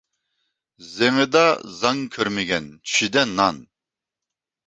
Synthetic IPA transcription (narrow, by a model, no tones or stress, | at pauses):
zɛmid̪azaŋkʲʰøɾmiɡʲɛnt͡ʃʰid̪ɛnːan